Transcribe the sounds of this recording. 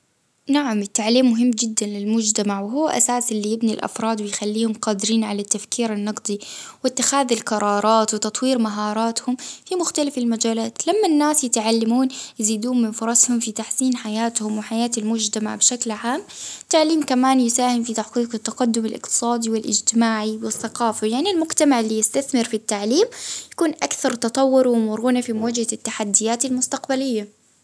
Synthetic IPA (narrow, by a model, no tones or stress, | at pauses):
naʕamɪt̪ːaʕliːmːʊɦɪmːd͡ʒɪd̪ːanlɪlmʊd͡ʒt̪amaʕwɪɦʊwːaʔa̰saːsʔɪlːijɪbnilʔɑ̰fɾˤɑːd̪wɪjxalːiːhʊmqɑːd̪ɪɾiːnʕalat̪ːafkiːɾanːɑqd̪ˤiwɪt̪ːɪxaːðalqɑɾˤɑːɾˤɑːt̪wɪt̪ɑt̪ˤwiːɾmaɦɑːɾˤɑːt̪hʊmfimʊxt̪alafalmad͡ʒaːlaːt̪lamːanːaːsjɪt̪ʕalːamuːnjɪziːd̪uːɪnfʊɾˤɑshʊmfit̪aħsiːnħajaːt̪hʊmwɪħajaːt̪almʊd͡ʒt̪ama̰ʕbɪʃaklʕaːmt̪aʕliːmkamaːnjɪsaːhɪmfit̪aħqiːqɪt̪ːɑqad̪ːʊmalʔɪ̰qt̪ɨ̥sˤɑːd̪iwɪlʔɪ̰d͡ʒt̪ɪmaːʕiwɪθːɑqɑːfajaʕnilmʊɡt̪amaʕɪlːijɪst̪aθmɪɾfit̪ːaʕliːmjakuːnʔakθɑɾˤt̪ɑt̪ˤɑwːʊɾwɪmʊɾˤuːnafimad͡ʒhat̪ːaħad̪ːɪjaːt̪almʊst̪aqbalɪjːa